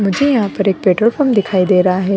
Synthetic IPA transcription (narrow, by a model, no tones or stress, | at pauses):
mʊd͡ʒʱejɐɦãpɐɾeːk̚peːʈəɾfʰoːɾmd̪ɪkʰaːid̪eːɾɐɦaɦɛː